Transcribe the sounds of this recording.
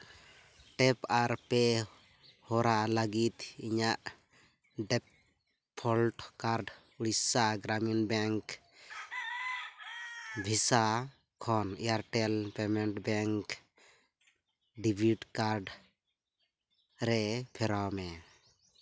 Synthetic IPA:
ʈɛpaɾpɛ | hɔɾalaɡit̪iɲaʔ | ɖɛpʰː | ɔlʈkaɾɖ | uɽisaɡɾaminbɛŋk | bʱisa | kʰɔnḭjaɾʈɛlpɛmɛɳʈbɛŋk | ɖibʱiɖkaɾɖ | ɾɛpʰɛɾawmɛ

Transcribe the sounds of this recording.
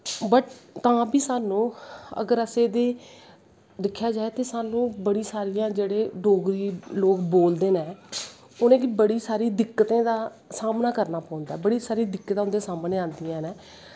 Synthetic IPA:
bəʈt̪ãːbiːsaːnũːə̰ɡəɾəseːd̪eː | d̪ɪkʰːjaːd͡ʒaːeːt̪eːsaːnũːbəɽiːsaːɾijãːd͡ʒeːɽeːɖoːɡɾiːloːkboːld̪eːnɛ̃ː | ʊnẽːkibəɽiːsaːɾiːd̪ɪkːət̪ẽːd̪aː | saːmnaːkəɾnaːpɔ̃ːʊ̃nd̪aːɛːbəɽiːsaːɾiːd̪ɪkːət̪ãːʊ̃nd̪eːsaːmneːãːnd̪iːãːnɛː

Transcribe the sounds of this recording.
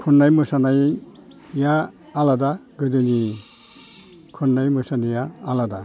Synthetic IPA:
kʰunːajmɯsanaj | jaː | ladaɡɯdɯni | kʰunːajmɯsanajaːlada

